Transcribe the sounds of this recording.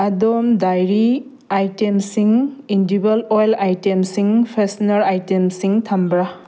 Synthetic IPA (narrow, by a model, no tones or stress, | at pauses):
adomdajɾi | ajtemsiŋindibɐlojlajtemsiŋpʰesnɐɾajtemsiŋtʰɐmbɾa